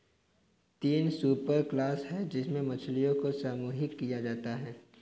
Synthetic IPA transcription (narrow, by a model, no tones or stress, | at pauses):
t̪iːnsuːpəɾklaːsɦɛd͡ʒɪsmẽmɐt͡ʃʰlijõkosaːmuːɦɪkːijad͡ʒaːt̪aɦɛː